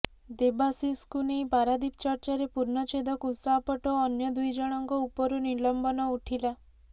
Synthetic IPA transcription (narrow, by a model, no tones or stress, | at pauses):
d̪ebasiskunejpaɾad̪ipt͡ʃɔɾt͡ʃaɾepuɾnɔt͡ʃed̪ɔkusɔapɔʈɔːnjɔd̪ujd͡ʒɔɽ̃ɔŋkɔupɔɾunilɔmbɔnɔuʈʰila